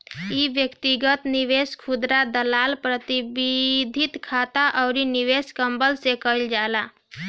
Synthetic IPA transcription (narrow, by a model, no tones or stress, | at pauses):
iːʋjəkt̪iɡət̪niʋeskʰud̪ɾad̪əlaːlpɾət̪ibid̪ʱit̪kʰat̪aʔəʊɾiniʋeskəmbəlsekəild͡ʒala